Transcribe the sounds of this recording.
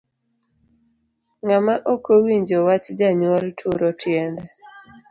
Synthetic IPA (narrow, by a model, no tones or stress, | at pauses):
ŋamaʔokowiɲd͡ʒɔwat͡ʃd͡ʒaɲwɔltʰuɾɔtjɛndɛ